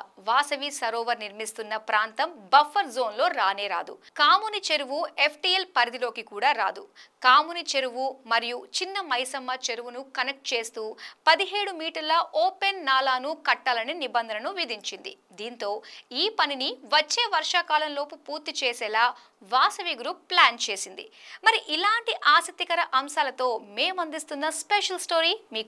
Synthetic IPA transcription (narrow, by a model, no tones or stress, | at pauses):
ʋaːsɐʋisɐɾoːʋɐɾniɾmist̪unːɐpɾaːnt̪ɐmbɐfʰːɐɾzo̞ːnlo̞ːɾaːneːɾa̰ːd̪ṵkaːmunit͡ʃeɾuʋue̞pʰʈielpɐɾd̪ilo̞ːkikuːɽaːɾaːd̪ukaːmunit͡ʃeɾuʋumɐɾijut͡ʃinːɐmɐjsɐmːɐt͡ʃeɾuʋunukɐnek̚ʈ̚t͡ʃe̞ːst̪uːpɐd̪iɦe̞ːɽumiːʈɐɾlɐʔoːpe̞nːaːlaːnukɐʈːaːlɐninibɐnd̪ʱɐnɐnuʋid̪iɲt͡ʃind̪ḭ | d̪iːnt̪o̞ːiːpɐniniʋɐt͡ʃːe̞ːʋɐɾʂaːkaːlɐnlo̞ːpupuːɾt̪ːit͡ʃeːsɛːlaː | ʋaːsɐʋiɡɾuːpːlaːnt͡ʃe̞ːsind̪ḭmɐɾiʔilaːɳʈiʔaːsɐk̚t̪ːikɐɾɐʔɐmʃaːlɐt̪o̞ːme̞ːmɐnd̪ist̪unːɐspeʂɐlsʈo̞ːɾiːmiːk